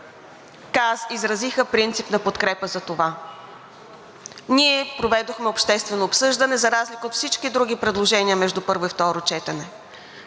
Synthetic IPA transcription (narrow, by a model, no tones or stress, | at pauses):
kazizɾɐzixəpɾint̪sipnɐpot̪kɾɛpəzɐt̪ova | niɛpɾovɛd̪oxmɛopʃt̪ɛst̪vɛnoːpsɤʒd̪ɐnɛzɐɾazlikəot̪fsit͡ʃkid̪ɾuɡ̟ipɾɛd̪lˠoʒɛniəmɛʒd̪upɤɾvoift̪ɔɾot͡ʃɛt̪ɛnɛ